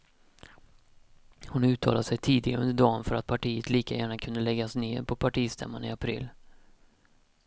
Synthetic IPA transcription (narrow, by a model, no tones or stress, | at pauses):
hʊnʉ̟ːt̪ʰɑ̰ːlad̪əsɛjt̪ʰiːd̪ɪɡaɾɵnd̪əɖɑːnfœɾat̪̚pʰaʈʰiːət̪liːka̰jæːɳakʰɵnd̪əlɛɡːasneːɾpʰɔpʰaʈiːst̪ʰɛ̰mːanɪ̰apʰɾḭːlː